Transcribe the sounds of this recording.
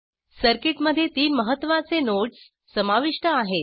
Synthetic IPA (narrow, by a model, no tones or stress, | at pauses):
səɾkiʈməd̪ʱːjet̪iːnməɦət̪ːʋat͡senoʈs | səmaʋiʂʈəaɦe